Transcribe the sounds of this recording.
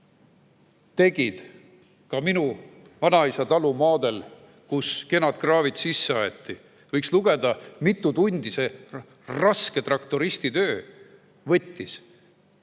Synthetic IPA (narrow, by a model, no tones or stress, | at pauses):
t̪e̞ɡ̥id̪̥ | kɑminu | vɑnɑisɑt̪ɑlumɑːd̪̥e̞l | kuske̞nɑt̪krɑːvid̪̥sisːeɑjet̪ːi | vɤjksluɡ̥e̞d̪ɑmit̪ːˑut̪unʲd̪̥ise̞ | rɑske̞t̪rɑkt̪oɾist̪it̪ø̞ː | vɤ̞t̪ʲːis